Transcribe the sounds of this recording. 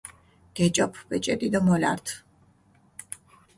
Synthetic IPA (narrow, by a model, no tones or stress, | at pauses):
ɡ̥ɛt͡ʃʼɔpʰbɛt͡ʃʼɛd̪ʼid̪ɔmɔla̰ɾt̪ʰ